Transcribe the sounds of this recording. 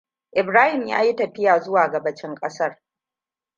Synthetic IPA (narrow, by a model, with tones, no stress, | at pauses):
ʔɪ˨bɾaː˦hɪ˨mja̰ː˦ji˦tɐ˨ɸɪ˦jaː˨zʊ˦waː˨ɡɐ˨bɐ˦t͡ʃɪ˦ŋkʼɐ˦sɐ˦r